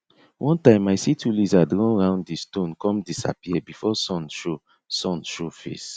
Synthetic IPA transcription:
wʔɔ̃ntãɪ̃maɪsitulizadɹɔ̃nɹãʊ̃nddistõnkɔ̃mdisa̰piɛbifɔsɔ̃nʃo | sɔ̃nʃofḛs

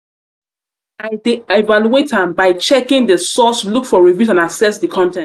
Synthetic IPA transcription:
aɪdeevaluetãmbaɪt͡ʃɛkɪ̃ŋdəsɔslukfɔɹivjuzãnasɛsdəkʰɔ̃ntɛ̃n

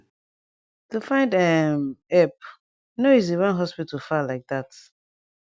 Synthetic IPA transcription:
tufãɪ̃ndɛmɛp̚ | noiziwɛ̃nɦɔspitʰəlfalaɪk̚ðat

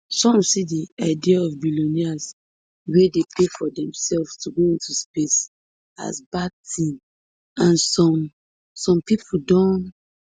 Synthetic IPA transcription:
sɔ̃msidiaɪdiaɔfbilonias | wedepʰefɔdɛ̃msɛlvstuɡoĩntuspes | a̰sbad̚tʰĩm | ãnsɔ̃m | sɔ̃mpipʰudɔ̃n

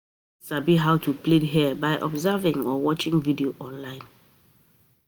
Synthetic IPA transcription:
sabiɦawtʰuplidɦibaɪʔɔ̰bzɛvĩŋɔwɔt͡ʃɪ̃ŋvidioʔɔ̃nlãɪ̃n

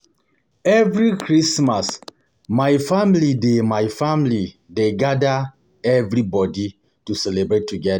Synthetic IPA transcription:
ɛvɾikɹismas | majfamilidemajfamili | deɡada | ɛvɾibɔdi | tusɛlebɹetʰːuɡɛda

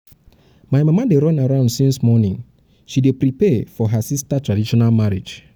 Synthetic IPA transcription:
majmamadeɾɔ̃naɹãʊ̃ndsĩnsmɔnĩn | ʃidepɾipɛfɔɦasistatʰɹadiʃɔnalmaɹi̥d͡ʒ

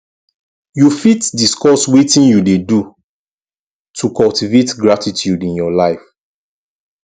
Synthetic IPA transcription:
jufitdiskɔswitĩnjudedu | tʰukɔltivetɡɹatitjudĩnjɔlaɪf

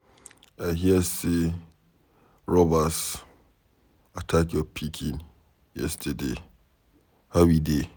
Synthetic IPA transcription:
aɦiɛse | ɹɔbas | atʰakjɔpʰikʰĩn | jɛ̰stʰade | hawide

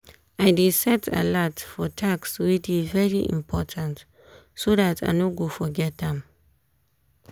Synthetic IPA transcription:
aɪdisɛtʰə̰lɔtfɔtʰakswit͡ʃivɛɹiʔḭ̃mpʰɔtʰãnt | soðatʰa̰ɪnoɡofɔɡɛt̚ɛ̃m

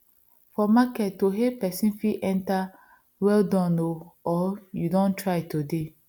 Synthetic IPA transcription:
fɔmakɛtːoɦepɛsĩnfiʔɛ̃nta | wɛldɔ̃noɔjudɔ̃ntʰɹaɪtode

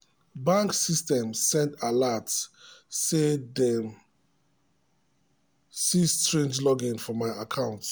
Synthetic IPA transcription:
bãŋksistɛ̃msɛ̃ntalatsː | edɛm | sistɹẽnd͡ʒlɔɡĩnfɔmaɪakʰãʊ̃nt

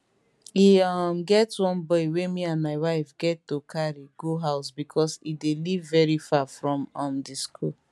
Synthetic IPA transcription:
iɔm̩ɡɛtwɔ̃m̩bɔiwemianmaɪwaɪfɡɛtːokaɾiɡoɦaʊsbikʰɔsidelivːɛɾifafɾɔ̃mɔm̩dɪskṵl

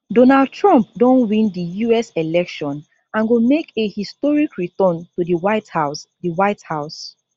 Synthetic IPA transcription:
donald̚tʰɹɔ̃mp̚dõnwĩndijuɛsɛlɛkʃɔ̃n | ãnɡomekehistɔɹikɹitɔ̃ntudiwaɪthasdiwaɪthaʊs

